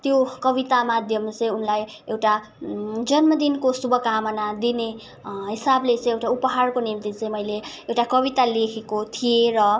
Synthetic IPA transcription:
t̪jokʌbit̪amad̪ʱjʌmt͡sʌĩunlaj | ewʈa | d͡zʌnmʌd̪inkosubʌkamʌnad̪ine | ɦisablet͡sʌ̃j̃ewʈaupʌɦarkonimt̪it͡sʌĩmʌjle | ewʈakʌbit̪alekʰekot̪ʰijeɾʌ

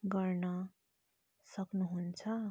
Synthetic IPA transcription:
ɡʌrnʌ | sʌknuɦunt͡sʰʌ

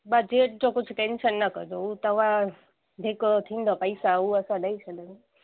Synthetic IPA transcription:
bad͡ʒeʈd͡ʒokut͡ʃʰuʈenʃənːəkə̰ɾd͡ʒoũt̪əʋã | d̪ʱikot̪ʰind̪ʱopəjsaũəsãd̪əit͡ʃʰed̪əne

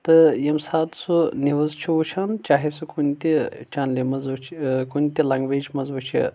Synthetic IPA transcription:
t̪ɨjɐmsaːt̪suniʋɐzt͡ʃʰiʋut͡ʃʰaːnt͡ʃaːɦisukunt̪it͡ʃʰaːnlʲimɐzt͡ʃʰkunt̪ʲilɐŋɡʋeːt͡ʃʰmɐzʋɐt͡ʃʰḭ

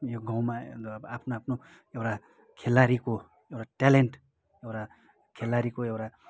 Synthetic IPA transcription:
joɡʱãw̃maapʰnoapʰno | ewʈa | kʰelːaɾiko | ewʈaʈaleɳʈ | ewʈa | kʰelːaɾikoewʈa

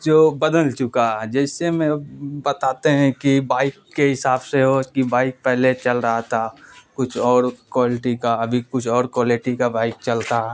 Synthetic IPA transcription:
d͡ʒoːbɐd̪əlt͡ʃʊkaɦɛd͡ʒɛːsemɛ̃bɐt̪aːt̪eɦɛ̃kibaːɪkːeɦɪsaːbseɦokibaːɪk̚pɛɦlet͡ʃɐlɾɐɦat̪ʰakʊt͡ʃʰɔːɾkwaːlɪʈikaɐbʱikʊt͡ʃʰɔːɾkwaːlɪʈikabaːɪk̚t͡ʃɐlt̪aɦɛ

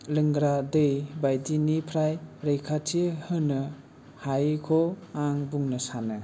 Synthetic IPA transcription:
lɯŋɡɾadɯjbajdinipʰɾajɾejkʰatʰihɯnɯ | hajkʰɔaŋbuŋnɯsanɯ

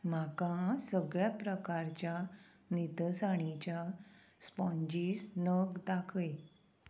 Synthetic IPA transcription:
m̤akãsəɡɭjapɾəkaɾt͡ɕja | nit̪əsaɽ̃it͡ɕja | spɔ̃ɲd͡ʑiːsnəɡd̪akʰəj

